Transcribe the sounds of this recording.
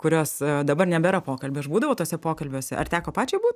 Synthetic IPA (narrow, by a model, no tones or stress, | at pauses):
kʊɾʲoːsd̪ɐbɐrnʲɛbʲɛɾɐpoːkɐlʲbʲeːɐʃbuːd̪ɐʋoːt̪oːsʲɛpoːkɐlʲbʲoːsʲɛ̰ʔɐ̰rt̪ʲæːkoːpɑːt͡ʃʲɛbuːt̪ʲ